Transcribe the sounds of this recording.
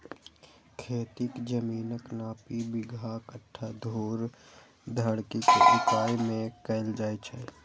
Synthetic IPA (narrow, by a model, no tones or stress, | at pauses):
kʰeːt̪ɪkd͡ʒəmiːnəknaːpibɪɡʱakəʈʰːad̪ʱoːɾ | d̪ʱəɽkikesɪkaːimẽkɐɪld͡ʒaːet͡ʃʰɛ